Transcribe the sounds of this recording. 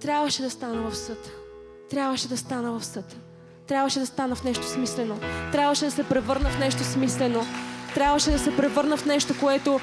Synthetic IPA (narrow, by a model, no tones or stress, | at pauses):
t̪ɾʲabvəʃɛd̪ɐst̪anəvɐfsɤt̪ː | ɾʲabvəʃɛd̪ɐst̪anəvɐfsɤt̪ː | ɾʲabvəʃɛd̪ɐst̪anəfnɛʃt̪o̥smislɛnot̪ɾʲabvəʃɛd̪ɐsɛpɾɛvɤɾnəfnɛʃt̪osmislɛnot̪ɾʲabvəʃɛd̪ɐsɛpɾɛvɤɾnəfnɛʃt̪okoɛt̪o